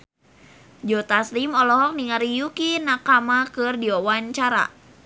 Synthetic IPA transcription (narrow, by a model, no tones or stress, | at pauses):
d͡ʒɔt̪aslimɔlɔɦɔk̚niŋaɾijukinakamakɨrdiɔwaɲt͡ʃaɾa̰